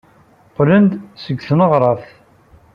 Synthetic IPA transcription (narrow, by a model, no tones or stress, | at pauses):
qlənd̪səɡːθnəʁɾˤɑθ